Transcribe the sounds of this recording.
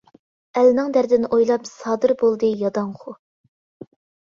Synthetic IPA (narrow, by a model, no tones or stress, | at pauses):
ælnɨŋd̪æɾd̪ɪnʔojlˠɑpsɑːd̪ɨɾbolˠd̪ɨjɑd̪ɑŋχʰʊ